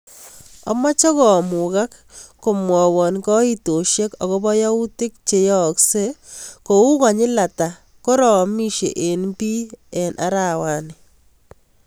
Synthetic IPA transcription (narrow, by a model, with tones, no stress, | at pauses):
ɔ̰˦ma˦t͡ʃɔ˦ɣɔ˨mu˨ka˦kː | o˨mwɔ˨wɔ˨nkɔ˦i˦to˨ʃje˦kɔ˨ɣɔ˦bɔ˦ja˦u˦tɪ˦k̚t͡ʃe˨jɔ˦kse˦ko˨u˦ka˨ɲɪ˦la˨ta˨ | kɔ˦ɾɔ˨mi˦ʃḛ˨ʔe˨nbi˦ɛ˨nʔa˦ɾa˨wa˨nɪ